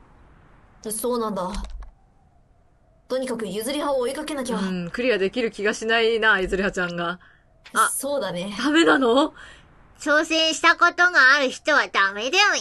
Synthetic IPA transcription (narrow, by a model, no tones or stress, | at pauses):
asoːnãnd̪a | t̪o̞ɲ̟ikakɯ̟jɯzɨɾʲihaoːikake̞nak̬ʲiɡakɯ̟ɾʲijad̪e̞kʲiɾɯ̟kʲiɡaɕinainajɯ̟zɨɾihat͡ɕãŋɡa | aso̞ːd̪aned̪ame̞nano̞ | t͡ɕo̞ːsẽ̞ɰ̃ɕi̥t̪ako̞t̪o̞ɡaːɾɯ̟çi̥t̪o̞βad̪̥ame̞d̪ajo